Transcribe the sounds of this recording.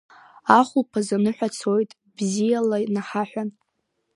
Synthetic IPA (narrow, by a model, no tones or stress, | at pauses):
aχʷupʰazanɨħʷᶣat͡sʰo̞jtʼ | b̥zijalanaħaħʷᶣan